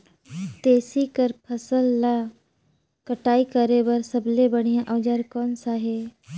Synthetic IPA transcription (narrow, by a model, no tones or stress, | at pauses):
t̪eːsikəɾpʰəsəlːaː | kəʈaːikəɾebəɾsəblebəɽ̃ijãʔəːd͡ʒaɾkɔːnsaɦeː